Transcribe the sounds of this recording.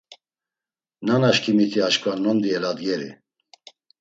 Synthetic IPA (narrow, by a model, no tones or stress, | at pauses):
nanaʃkʰimit̪ʰiaʃkʼvanɔnd̪iɛlad̪ɡɛɾḭ